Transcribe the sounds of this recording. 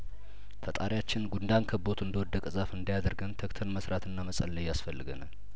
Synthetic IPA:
fət̪ʼaɾjat͡ʃːɪnɡund̪ankʰəbo̞t̪ʰɨnd̪əwɔd̪ːəkʼɨzafɨnd̪ajad̪əɾɡənt̪ʰəkt̪ʰəlməsɾat̪ɨnːaməsʼə̰lːəjasfəlːɨɡəna̰l

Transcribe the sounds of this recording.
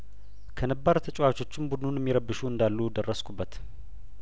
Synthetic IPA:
kʰənəbːaɾt̪ʰət͡ʃʼwat͡ʃo̞t͡ʃːɪmbud̪nunjɛmːiɾəbːɨʃuɨnd̪alːud̪ərːəskʰubːət̪

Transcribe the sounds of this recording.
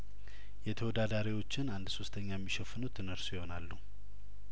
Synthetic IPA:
jɛt̪ʰəwɔd̪ad̪aɾiwo̞t͡ʃːɪnand̪so̞st̪ʰəɲːajɛmːiʃəfːɨnut̪ʰɨnəɾsujɪho̞nalːu

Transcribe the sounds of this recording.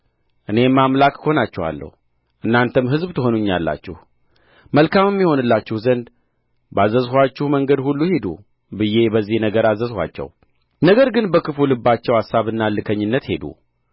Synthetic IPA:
ʔɨne̞mːamlakho̞nat͡ʃːɛwa̰lːə̰hu | ʔɨnːant̪ʰɨmɦɨzbt̪ʰɨɦo̞nuɲːalːa̰t͡ʃːɪh | məlkamɛmːiho̞nɨlːat͡ʃːɪhzənd̪ | bəazəzhʷat͡ʃːɪhməŋɡəd̪hulːuhe̞d̪ṵ | bɨje̞bəzːihnəɡəɾazəzhʷwa̰t͡ʃːɛ̰w | nəɡəɾɡɨnbəkɨfulɨbːat͡ʃːɛwasːaβɨnːalːɨkʰəɲːɨnːət̪he̞d̪ṵ

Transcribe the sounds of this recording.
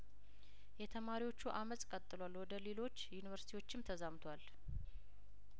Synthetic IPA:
jɛt̪ʰəmaɾiwo̞t͡ʃːuʔamət̪ʼkʼət̪ʼːɨlwalwɔd̪əlelo̞t͡ʃːjunivəɾsit̪ʰiwo̞t͡ʃːɪmt̪ʰəzamt̪ʰwal

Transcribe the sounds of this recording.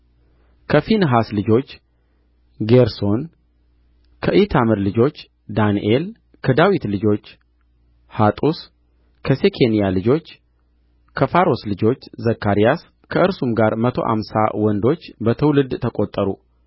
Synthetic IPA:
kʰəfinɦaslɨd͡ʒo̞t͡ʃː | ɡeɾso̞n | kʰəʔit̪ʰamɨɾlɨd͡ʒo̞t͡ʃː | d̪anḭʔel | kʰəd̪awit̪lɨd͡ʒo̞t͡ʃː | hat̪ʼus | kʰəsekʰe̞nijalɨd͡ʒo̞t͡ʃː | kʰəfaɾo̞slɨd͡ʒo̞t͡ʃːzəkːaɾijas | kʰəʔɨɾsumɡaɾmət̪ʰo̞̰ʔa̰msa̰wɔnd̪o̞t͡ʃːbət̪ʰɨwlɨd̪t̪ʰəkʼot̪ʼːəɾṵ

